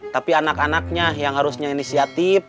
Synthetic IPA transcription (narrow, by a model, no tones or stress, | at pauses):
t̪apianakanak̚ɲajaŋɦaɾusɲainisiat̪if